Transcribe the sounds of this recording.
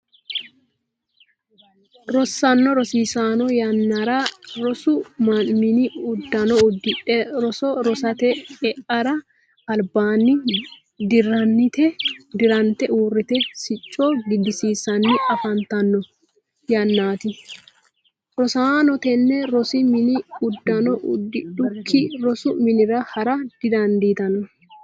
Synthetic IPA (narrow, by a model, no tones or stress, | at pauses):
ɾɔsːɐnːɔɾɔsiːsaːnɔjɐnːɐɾɐɾɔsʊmɐnmɪnɪʊd̪ːɐnɔʊd̪ɪᶑɛɾɔsɔɾɔsɐt̪ɛɛʔɐɾɐ | ɐlbaːnːɪ | d̪ɪrɐnːɪt̪ɛd̪ɪɾɐnt̪ːɛʔuːrːɪt̪ɛsɪt͡ʃʼːɔɡɪd̪ːɪsiːsːɐnːɪʔɐfɐnt̪ɐnːɔ | jɐnːaːt̪ɪ | ɾɔsaːnɔt̪ɛnːɛɾɔsɪmɪnɪʊd̪ːɐnɔʔʊ̰d̪ːɪᶑʊkʰːɪɾɔsʊmɪnɪɾɐhɐɾɐd̪̥ɪd̪ɐnd̪iːt̪ɐnɔ